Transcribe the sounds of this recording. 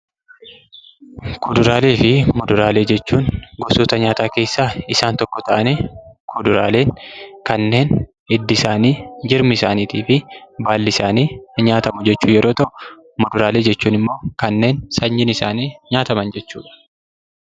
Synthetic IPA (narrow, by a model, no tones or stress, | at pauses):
kʰʊd̪ʊɾaːle̞ːfɪmɔd̪ʊɾaːle̞ːd͡ʒɛt͡ʃːuːnɡɔsoːt̪ɐɲaːt̪aːke̞ːsːaːɪsaːnt̪ɔkːɔt̪ɐʔɐniːkʰʊd̪ʊɾa̰ːle̞ːŋkɐnːe̞ːn | ɪd̪ːɪsaːniːd͡ʒɪɾmɪsaːniːt̪iːfɪbaːlːɪsaːniːɲaːt̪ɐmʊd͡ʒɛt͡ʃːuːjɛɾʔo̞ːt̪ɐʔʊ̥ | mɔd̪ʊɾaːle̞ːd͡ʒɛt͡ʃːuːnɪmːo̞ːkɐnːe̞ːnsɐɲːɪnɪsa̰ːniːɲaːt̪ɐmɐnd͡ʒɛt͡ʃːuːᶑɐ̥